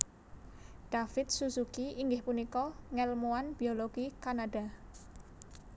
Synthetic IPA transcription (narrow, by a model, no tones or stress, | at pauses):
ɖ̥afɪt̪̚susukiiŋɡɪhpunikɔŋɛlmoanb̥ioloɡ̥ikanada